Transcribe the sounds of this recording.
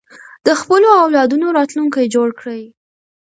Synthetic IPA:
d̪̥əxpəloawlɑd̪unoɾɑt̪luŋkajd͡ʒoɽkɽaj

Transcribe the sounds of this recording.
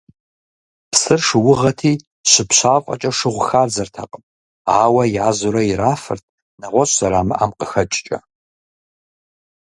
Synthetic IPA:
psɨrʂɨwʊʁɐtʰiː | ɕɪpɕaːvqʼɐ̰t͡ʃʼɐʂɨʁʷʊxaːrd͡zɐrtʰa̰ːqʼəmʼ | aːwɐjaːzuɾɐjɪɾaːfɨ̰rt̚ʰ | nɐʁʷɔɕz̥ɐɾaːmɨ̰ʔamqʼəxɐt͡ʃʼt͡ʃʼɐ̰

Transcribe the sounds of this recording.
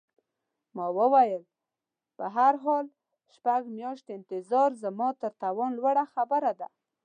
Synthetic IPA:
mɑwəwajəl | pəɦaɾɦɑl | ʃpaɡmjɑʃt̪ɪnt̪ɪzɑɾzəmɑt̪əɾt̪awɔnlwaɽaxabəɾad̪a̰

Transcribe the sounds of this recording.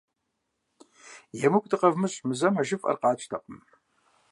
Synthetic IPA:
jɛmɨkʷʼtʰɨqʼɐvmɨɕʼmɨzɐmɐʒɪfʼɐ̰rqɑːt͡ʃʰʼtʰɐqʼəm

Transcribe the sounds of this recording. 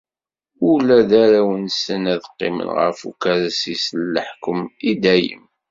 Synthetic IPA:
ʊlæðaɾæwənsənæðqːɪ̰mə̰nʁə̰fṵkaɾæsislːəħkəmid̪æjə̰m

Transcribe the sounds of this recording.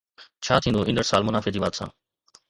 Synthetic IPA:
t͡ɕʰaːt̪ʰĩːnd̪oːʔɪ̃nɖəɾsaːlmʊnaːfed͡ʑiːʋaːt̪sã̰ː

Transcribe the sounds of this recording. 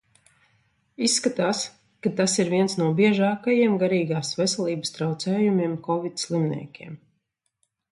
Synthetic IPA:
isːkat̪aːs | kat̪asiɾviɛnsnuɔbiɛʒaːkajiɛmɡaɾiːɡaːsvɛsɛlˠiːbəst̪ɾawt̪sɛːjumʲiɛmkɔvit̪ʲslˠimnʲḭːkʲeɛːm

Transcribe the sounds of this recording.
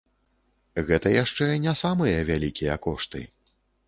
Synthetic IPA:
ɣɛt̪ɐjaʂt͡ʂɛnʲasamɨjɐvʲalʲikʲijɐkɔʂt̪ɨ̰

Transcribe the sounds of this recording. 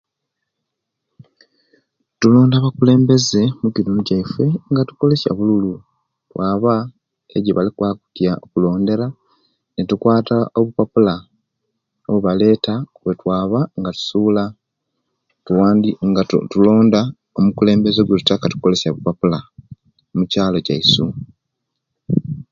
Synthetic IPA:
tulo̞ːndaβakule̞ːmbe̞ze̞mukinunuɟaifwe̞ŋɡatu̥ko̞le̞sa̰βululu | twaːβa | ḛɟiβalikwaːku̥tjaokulo̞ːnde̞ɾa | netukwaːtaʔoβupapula | oβuβale̞ːtawetwaːβaŋɡatu̥sula | tuwaːndiŋɡatulo̞ːnda | omukule̞ːmbe̞zeɡwetutakatu̥ko̞le̞saβupapula | mucaːloɟaisu

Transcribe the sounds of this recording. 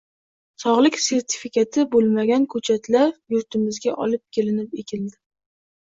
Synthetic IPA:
sɒʁlˠɪkʲse̞ɾt̪ʰɪ̥fikʲʰat̪ʰɪbolˠmaɡʲankʰɵt͡ʃʰat̪ʰlaɾjʊɾt̪ʰɪmɪzɡʲaʔɒ̰lɪp̚kʲʰelɪnɪpekʲɪld̪ɪ

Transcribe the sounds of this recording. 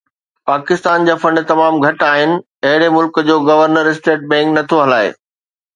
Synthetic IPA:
paːkɪst̪aːnd͡ʑaːfɐ̃ɳɖt̪ɐmaːmɡʱɐʈaːɦɪnɪ̆ | ɐɦɪɽemʊlkd͡ʑoːɡɐʋəɾnəɾɪsʈeːʈ̚bɛ̃ːŋknɐt̪ʰoɦɐlaːḛː

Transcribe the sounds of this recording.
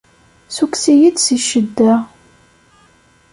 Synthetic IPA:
suksijid̪siʃəd̪ːæ

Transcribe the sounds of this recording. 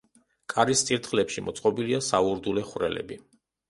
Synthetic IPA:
kʼaɾist̪sʼiɾt̪χlɛpʃimɔt̪sʼqʼɔbiliasauɾd̪ulɛχwɾɛlɛ̰bi

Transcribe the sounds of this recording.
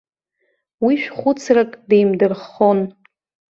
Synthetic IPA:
wiʃᶣχʷʊt͡sʰrakʼdejmdɨrχon

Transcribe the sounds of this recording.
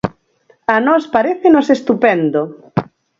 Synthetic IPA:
anɔspaɾeθenosest̪upɛnd̪o

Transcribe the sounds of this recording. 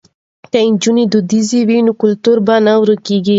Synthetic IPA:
kaɪnd͡ʒunid̪ud̪iziwinukʊlt̪uɾbanawɾəkiɡi

